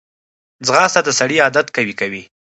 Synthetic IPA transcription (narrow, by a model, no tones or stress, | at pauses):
d͡zɣɑst̪ad̪asaɽiɑd̪at̪kawikawi